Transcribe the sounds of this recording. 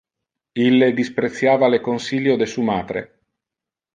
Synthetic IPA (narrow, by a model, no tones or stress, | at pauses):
ilːed̪ispɾet̪sːjaːvalekonsiljod̪esumaːd̪ɾḛ